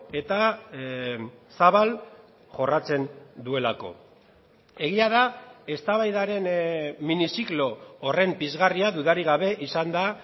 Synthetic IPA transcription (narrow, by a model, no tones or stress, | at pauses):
e̞t̪a | saβal | ʝo̞rat͡se̞nd̪ue̞lako̞̰ | e̞ɣiaðae̞st̪aβajðaɾe̞nminisiklo̞ːre̞mpizɣariaðuðaɾiɣaβ̞e̞ʔisand̪a